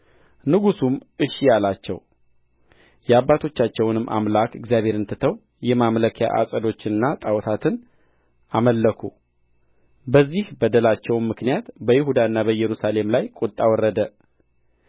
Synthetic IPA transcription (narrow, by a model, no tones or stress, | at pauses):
nɨɡusumɨʃːijalat͡ʃːɛw | jɛabːat̪ʰo̞t͡ʃːat͡ʃːɛwnɨmːʔa̰mlakʰɨɡzijaβhe̞ɾɨnt̪ʰɨt̪ʰəw | jɛmamləkʰja̰ʔa̰sʼəd̪o̞t͡ʃːɪnɨnːat̪ʼawt̪ʰat̪ʰɨn | aməlːəkʰu | bəzːihbəd̪əlat͡ʃːɛwmːɨknijat̪bəjɪɦud̪aɨnːabəjɛɾusale̞mlajkʼut̪ʼːawɔrːəd̪ə